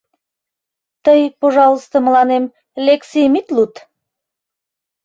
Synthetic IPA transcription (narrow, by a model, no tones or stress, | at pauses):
t̪əjpoʒɑlˠəst̪oməlɑnem | lʲeksejmit̪lut̪